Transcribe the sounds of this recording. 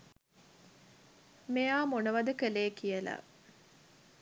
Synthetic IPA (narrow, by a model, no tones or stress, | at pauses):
mejaːmonəʋad̪əkəleːkijəla̰